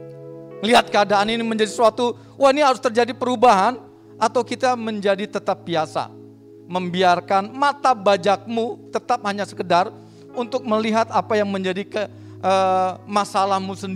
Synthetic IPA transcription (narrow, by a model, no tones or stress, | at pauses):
liɦat̪̚kəadaːniniməɲd͡ʒadiswat̪u | waniɦaɾʊst̪ərd͡ʒadipəɾubaɦan | ʔat̪awkit̪aməɲd͡ʒadit̪ət̪ap̚biasa̰ | məmbiarkanmat̪abad͡ʒak̚mut̪ət̪ap̚haɲasə̥kədar | unt̪ʊk̚məliɦat̪apajaŋməɲd͡ʒadikə | ʔəmasalahmusəndi